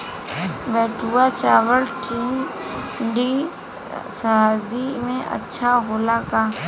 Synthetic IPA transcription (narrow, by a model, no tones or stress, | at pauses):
bɛːʈuat͡ʃaːʋəlʈiː | ɖi | saɦaɾd̪imẽʔə̰tːʃʰaɦoːlakaː